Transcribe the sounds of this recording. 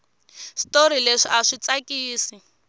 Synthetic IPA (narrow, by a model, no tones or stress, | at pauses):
stoɾileʂiaʂit͡sakiːsi